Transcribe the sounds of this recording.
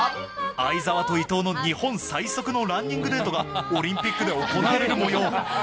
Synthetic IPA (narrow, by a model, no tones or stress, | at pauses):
aizaβat̪o̞it̪o̞ːno̞ɲ̟ihõ̞ɰ̃saiso̞kɯ̟no̞ɾãɲːʲĩŋɡɯ̟d̪e̞ːt̪o̞ɡaoɾʲĩmpʲikːɯ̟d̪e̞o̞konaaɾeɾɯmo̞jo̞ː